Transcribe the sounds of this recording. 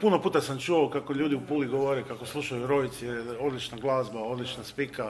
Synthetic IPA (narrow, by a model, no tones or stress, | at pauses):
puno̞puːt̪asamt͡ʃuokakoʎuːd̪iupuːliɡoʋoɾekakoslˠuʃajuɾo̞it̪sijeɾeo̞d̪lit͡ʃnaɡlˠaːzbao̞d̪lit͡ʃnaspika